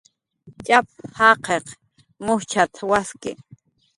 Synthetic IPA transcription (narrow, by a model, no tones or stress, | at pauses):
t͡ʃʼap̚hɑqʰeq | mʊht͡ʃʰat̪ʰwaskɪ